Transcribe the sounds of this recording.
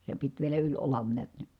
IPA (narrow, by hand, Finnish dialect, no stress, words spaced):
se pit ʋielæ ylʲ olɑn niæt n̥i̥